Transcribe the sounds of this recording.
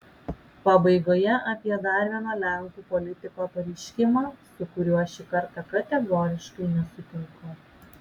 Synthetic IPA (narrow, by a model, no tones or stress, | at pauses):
pɑbɐɪɡoːjɛʔɐpʲiɛd̪ɑːɾʲʋʲiɛnoːlʲæŋkuːpɔlʲɪt̪ʲɪkoːpɐɾʲɛɪʃʲkʲɪmɑːsʊkʊɾʲuɐʃʲɪkɐɾt̪ɑkɐt̪ʲɛɡɔːɾʲɪʃkɐɪnʲɛsʊt̪ʲɪŋkʊ